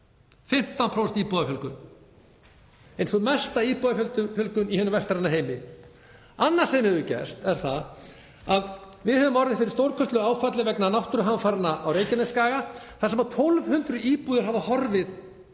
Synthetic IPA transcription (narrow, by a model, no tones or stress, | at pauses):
fɪm̥t̪awnpʰɾowst̪iːpuðafjœlkʏn | ejnsɔmɛst̪aiːpuðafjœlt̪ʏfjœlkʏnihʏnːʏmvɛst̪ɾanːaɦeːjmɪ | anːḁsɛmɛvʏcɛ̰st̪ɛɾ̥θað | að | vɪðhɛvʏmɔɾðɪðfɪɾɪɾ̥st̪owɾkʰœst̪lʏaːwfat̪lɪvɛknanawht̪ʏɾʏɦamfaɾɪnːaʔawreːjcɪnɪskaːɣaθasɛmat̪ʰolvhʏnt̪ɾʏiːpuːðɪɾɦavahɔɾvɪð